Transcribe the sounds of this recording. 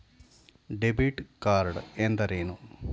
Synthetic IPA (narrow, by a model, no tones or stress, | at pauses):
ɖebiʈkaːɾɖend̪ɐɾeːnu